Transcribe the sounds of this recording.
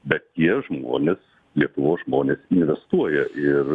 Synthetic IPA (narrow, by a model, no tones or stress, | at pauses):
bʲɛt̪̚t̪ʲiɛʒmo̰ːnʲeːs | lʲiɛt̪ʊʋoːsʒmoːnʲeːsɪnʲʋʲɛst̪uɔjɛʔɪr